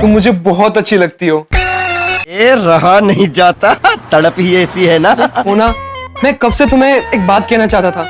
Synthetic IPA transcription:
t̪ʊmːʊd͡ʒʱebɔɦɔt̪ɐtːʃʰilɐɡ̚t̪iɦoː | eːɾɐɦanɐɦĩd͡ʒaːt̪at̪ɐɽəpɦiɛːsiɦɛːnaɦoːnamɛ̃ːkɐbset̪ʊmẽeːk̚baːt̪̚kɛɦnat͡ʃaːɦt̪at̪ʰaː

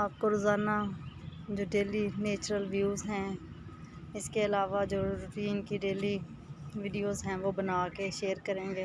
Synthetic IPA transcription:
aːp̚koɾoʊːzaːɾna | d͡ʒoːɖeːlineːt͡ʃɾəlʋjuːzɦɛ̃ː | ɪskeɐlaːʋad͡ʒoːɾʊʈiːnkiɖeːli | ʋɪɖijoːzɦɛ̃ːʋoːbənaːkeʃeːəɾkəɾẽːŋɡeː

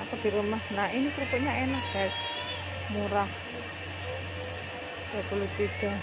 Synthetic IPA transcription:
akad̪̥i̤ɾumahnainikɾukuʔɲaenakɡ̥as | muɾah | d̥apulut̪id̪̥a̤

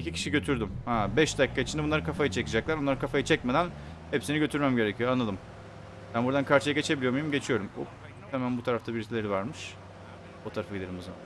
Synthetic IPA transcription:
icʰicʰi̥ʃiɟø̞t̪ʰyɾd̪ymhɛbɛʃd̪akːait͡ʃʰind̪ɛbunˠaɾɯkʰafajɯt͡ʃʰe̞kɯd͡ʒaklˠaɾonˠaɾɯkʰafajɯt͡ʃʰɛc̚med̪æn | hepsiniɟø̞t̪ʰyɾmæmɟe̞ɾecʰijoanˠad̪ɯm | b̥ænbuɾd̪ankʰaɾt͡ʃʰɯjaɟe̞t͡ʃʰe̞bilʲiomujumɟe̞t͡ʃʰijo̞ɾumo̰ | eemænbut̪ʰaɾaft̪ʰabiɾit̪ʰilʲeɾivaɾmɯʃ | ot̪ʰaɾafɯaɟid̪ʲeɾd̪imozaman

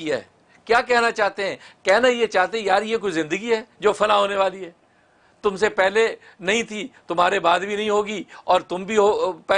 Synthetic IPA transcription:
ia̰ɛ | kjaːkɛɦnat͡ʃaːɦt̪eɦɛ̃ːkɛɦnajet͡ʃaːɦt̪ẽjaːɾjek̬oːizɪ̃nd̪əɡiɦɛːd͡ʒoːfʰɐlaɦoːneʋaːliɦɛː | t̪ʊmsepɛɦle | nɐɦĩt̪ʰit̪ʊmɦaːɾebaːd̪bʱinɐɦĩɦoːɡiɔːɾt̪ʊmbʱiɦoːpɛ

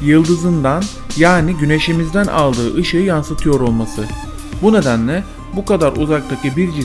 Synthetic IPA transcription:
jɯlˠd̪ɯzɯnd̪an | jaːniɟyne̞ʃimizd̪ænʔa̰lˠd̪ɯːʔɯʃɯjansɯt̪ʰɯjo̞ɾo̞lˠmasɯ | bune̞d̪ænlʲɛ | bukad̪aɾʔṵzak̚t̪ʰacɯbiɾd͡ʒi

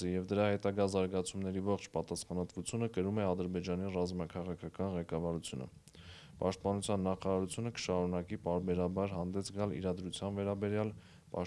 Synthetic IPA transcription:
ijɛvd̪əɾɑhɛt̪ɑɡɑzɑɾɡɑt͡sʰumnɛɾivɔχt͡ʃʰpɑt̪ɑsχɑnɑt̪vut͡sʰjunəkəɾumɛɑd̪əɾbɛd͡ʒɑnirɑzmɑkʰɑʁɑkʰɑkɑnʁɛkɑvɑɾut͡sʰjunə̰ | pɑ̰ʃt̪̚pɑnut͡sʰjɑnːɑχɑɾɑɾut͡sʰjunəkə̥ʃɑɾunɑkipɑɾbɛɾɑbɑɾɦɑnd̪ɛsʰɡɑlḭɾɑd̪ɾut͡sʰjɑnvɛɾɑbɛɾjɑl | pɑ

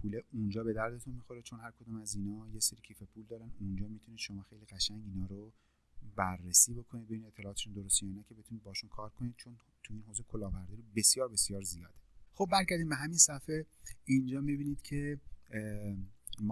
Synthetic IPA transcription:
pʰuleund͡ʒɒːbe̞d̪æɾd̪e̞t̪ʰunmixoɾet͡ʃʰo̞nhæɾkʰod̪uːmæzinɒːjeseɾicʰiːfe̞pʰuːld̪ɒːɾænund͡ʒɒːmit̪ʰuniːd̪̥ʃo̞mɒːxe̞jliɣæʃæŋɟinɒːɾo | bæɾːesiːbo̞kʰo̞nid̪̚beiniet̪ʰːelɒːt̪eʃund̪oɾost̪ijɒːnæcʰe̞be̞t̪ʰunid̪̚bɒhiʃunkʰɒːɾkʰonid̪̥t͡ʃʰon | t̪ʰuinɦozekʰolɒːvæɾd̪iɾobe̞sjɒːɾbe̞sjɒːɾzijɒːd̪exo̞b̚ːæɾɟæɾd̪imbeɦæminsæfeind͡ʒɒːmibiːnid̪̥cʰe̞ | m

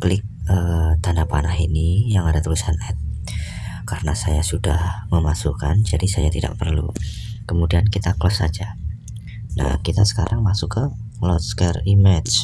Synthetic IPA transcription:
klɪk̚ət̪anapanahinijaŋadat̪əlusanɛt̪̚ | kaɾənasajasudahməmasukand͡ʒadisajat̪ida̰ʔpərlṵ | kəmudiankit̪aklɔsad͡ʒa | na̰hkit̪asə̥kaɾʔaŋmasukːəlɔt̪skərimɛd͡ʒ

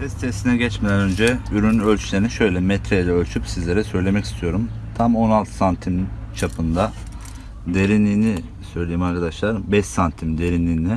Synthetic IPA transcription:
sʰɛst̪ʰest̪inɛɟɛt͡ʃmed̪ænø̞nd͡ʒɛyɾynølʲt͡ʃʰylʲeɾiniʃø̞jlʲɛmɛt̪ʰɾejd̪ɛølʲt͡ʃʰypsizlʲe̞ɾɛsø̞jlʲe̞mɛci̥st̪ʰijo̞ɾumt̪ʰamo̞nalˠt̪ʰɯ̥sant̪ʰimt͡ʃʰapʰɯnd̪a | d̪e̞ɾinːʲiːni | sø̞jlʲe̞jimaɾkʰad̪aʃlˠaɾbɛʃsant̪ʰimd̪e̞ɾinlʲiːni

